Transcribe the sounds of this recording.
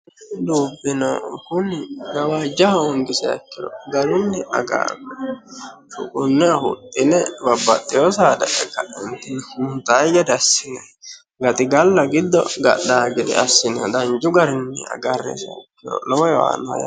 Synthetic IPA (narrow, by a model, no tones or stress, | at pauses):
d̪uːbːɪnɐkʊnɪɡɐwaːd͡ʒɐhɐɔŋɡɪsɛɐ̰kːɪɾɔ̰ɡɐɾɪnːɛʔɐ̰ɡa̰ːɡɛ | ʃʊ̰kʼʊnːɛɐhʊ̰t̪ʼːɪnɛbɐbːɐt̪ʼːɪjosaːd̪ɐʔɛkːɐʔɛnt̪ːɪnhʊnt̪ajɡɛd̪ɛɐsːɪnɐ | ɡɐt̪ɪɡɐlːɐɡɪd̪ːɔ̰ɡɐ̰ɗːaːɡɛd̪ɛ̰ʔɐsːɪnɐd̪ɐnd͡ʒʊɡɐɾɪnːɛɐ̰ɡɐrːḛsɛɐkːɪɾɔ̰lɔwɔjwa̰ːna̰ja̰